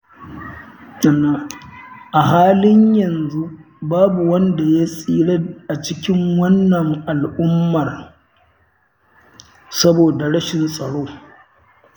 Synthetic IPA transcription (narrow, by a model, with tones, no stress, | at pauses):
ɐ˨na˨ʔa˨ɦaː˦lɪ˦ɲjɐ˨nzu˦ | baː˦bu˨wɐ˦nda˨ja˦sʼiː˦ɽe˦ʔa˨t͡ʃɪ˦kʲɪ˦ŋwɐ˦nːɐ˨ŋʔa˨lʔʊ˦mːɐ˨r | sɐ˦boː˨da˨ɽɐ˦ʃɪ˨nsʼɐ˨ɽoː˦